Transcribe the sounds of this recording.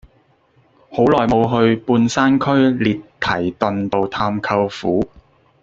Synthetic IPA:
ho˨˥wlɔː˨jmo˨˧wɦɵ˧ɥpuː˧nsaː˥nkʰɵ˥ɥliː˨tt̪ʰɐ˨˩jt̪ɵ˨nt̪o˨wt̪ʰaː˧mkʰɐ˧wfuː˨˥

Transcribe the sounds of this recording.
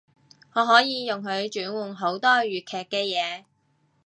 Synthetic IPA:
ŋɔː˨˧ɦɔː˨˥jiː˨˧jʊ˨ŋɦɵ˨˧ɥt͡ʃyː˨˥nwuː˨˩nɦo˨˥wt̪ɔː˥ɥyː˨t̚kʰɛː˨˩kːɛː˧jɛː˨˧

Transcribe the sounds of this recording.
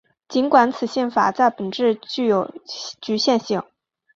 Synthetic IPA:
t͡ɕi˧˥nkwa˧˥nt͡sʰɹ̩˨˩ɕjɛ˥˩nfa̰˨˩t͡sa˥˩ɪpə˨˩nʈ͡ʂɻ̩˥˧t͡ɕy˥˩jo˨˩ʊt͡ɕy˧˥ɕjɛ˥˧nɕi˥˩ŋ

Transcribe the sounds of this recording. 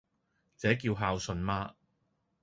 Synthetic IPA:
t͡sɛː˨˥k̬iː˧wɦaː˧wsɵ˨˧nmaː˧

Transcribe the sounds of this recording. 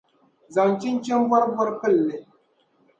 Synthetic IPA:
za˨nt͡ʃi˦n˦t͡ʃɛ˦n˦bɔ˦ɾbɔ˦ɾpɨ˦˨lːɨ˨

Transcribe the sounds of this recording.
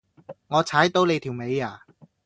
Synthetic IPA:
ŋɔː˨˧t͡sʰaː˨˥jt̪o˧wle˨˧jt̪ʰiː˨˩wme˨˧jaː˨˩

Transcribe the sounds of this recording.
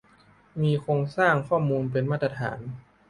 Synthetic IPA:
miː˧kʰoː˧ŋsaː˥˩ŋkʰɔː˥˩muː˧np̬e˧nmaː˥˩t̪ɾa˧t̪ʰa̰ː˩˦n

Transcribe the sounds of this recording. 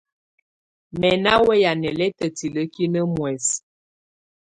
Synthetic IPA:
mɛ˨na˦wɛ˦ja˨nɛ˨lɛ˦tə˨ti˨lə˦ki˦nə˦mwɛ˨s

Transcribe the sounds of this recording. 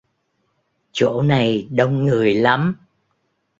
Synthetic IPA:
t͡ɕo̰˧˥na˨˩jɗə˧wŋ͡mŋɨ˨˩əjla˨˦m

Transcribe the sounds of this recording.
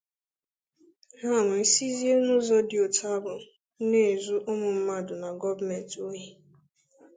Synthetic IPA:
ɦa˦˨nʊ˨i˦si˦zi˦e˦nʊ˦zɔ˦dɪ˨o˨tʰa˦bʊ˨˦ | ne˦˨e˨zu˦ʔʊ˦mʊ˨m̩˦ma˦dʊ˨na˨ɡɔ˦va˦˨me˨n˨to˦ɦe˦˨

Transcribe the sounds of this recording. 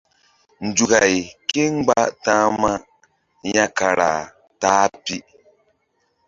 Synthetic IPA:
n̩˨d͡ʒu˨ka˨jke˦ŋ˦ɡ͡ba˦tãː˦ma˦ | ɲa˦ka˨ɾa̰˨ | taː˦pi˦

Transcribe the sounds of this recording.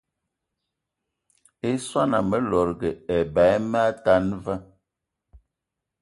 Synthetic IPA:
e˦swa˦na˨mə˨lɔ˨ɾɡɛ˨ɛ˨ba˨˦mɛ˦a˦ta˦nva˦

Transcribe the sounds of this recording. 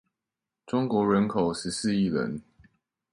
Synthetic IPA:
ʈ͡ʂʊ˦ŋkwɔ˨˥ɻə˧˦nkʰo˨˩ʊʂɻ̩˨˦s̩˥˧i˥˨lə̰˨˦n

